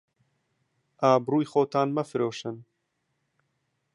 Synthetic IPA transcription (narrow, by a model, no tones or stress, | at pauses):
ʔaːbruːjxoːt̪ʰaːnmɐfɨɾoːʃɨn